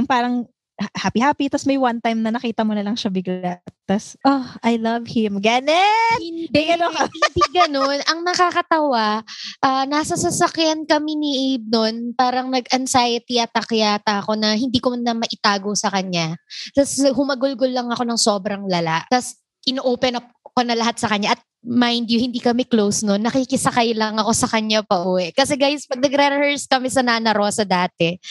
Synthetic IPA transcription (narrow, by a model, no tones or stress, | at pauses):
ʊŋpaːɾɐŋ | haːpihaːpit̪ɐsmɐjwɐnt̪ajmnɐnɐkiːt̪ɐmonɐlɐŋʃɐbɪɡlat̪ːɐsʔoʔajlɐvhɪmɡanɛɪnd̪ɛɡɐnoɐɪd̪iːɡɐno̞nɐŋnɐkakɐt̪ɐwaʔanasɐsɐsɐkjankɐminiʔib̚no̞npaːɾɐŋnɐɡʔɐnsajɐt̪iʔɐt̪ɐkjaːt̪ɐɐko̞nɐhɪnd̪iːkonnɐmɐʔɪt̪aːɡosɐkɐɲat̪ɐsɐɦʊmɐɡʊlɡolːɐŋɐko̞nɐŋso̞ːbɾɐŋlɐlaʔt̪ɐs | ʔɪnoʔoːpɛnɐp̚ɐko̞nɐlɐɦat̪sɐkɐɲaʔɐt̪̚majnd̪jʊhɪnd̪iːkɐmɛklowsnonːɐkikɪsɐkajlɐŋɐko̞sɐkɐɲːapɐʔuːwɛʔkɐsɛɡajspɐɡ̚nɐɡɾɛɾhɛɹskɐmɛsɐnanɐɾo̞ːsɐd̪aːt̪ɛ